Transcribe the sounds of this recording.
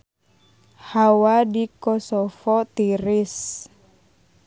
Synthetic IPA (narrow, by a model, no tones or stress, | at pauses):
hawadikɔsɔfɔt̪iɾis